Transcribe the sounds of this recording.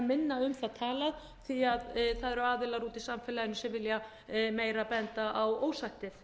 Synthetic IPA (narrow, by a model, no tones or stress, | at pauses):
mɪnːaʏmθaðt̪ʰaːlað | θiaðθaðɛɾʏaːðɪlaɾuːt̪ɪsamfɪːlaðɪnːʏsɛmvɪlja | meːjɾapɛnt̪aʔawoːwsajht̪ɪθ